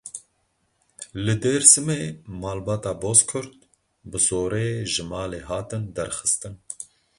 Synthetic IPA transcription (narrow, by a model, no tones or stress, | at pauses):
lɨd̪eːɾsɨmeːmɑːlbɑːt̪ɑːboːskʰʊɾt̪ | bɨzoːɾeʒɨmɑːleːɦɑːt̪ɨnd̪ɛɾxɨ̥st̪ɨn